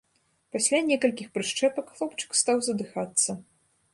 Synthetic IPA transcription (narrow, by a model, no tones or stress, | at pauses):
pasʲlʲanʲɛkɐlʲkʲixpɾɨʂt͡ʂɛpɐkxlˠɔpt͡ʂɨ̥kst̪awzɐd̪ɨxat̪sːɐ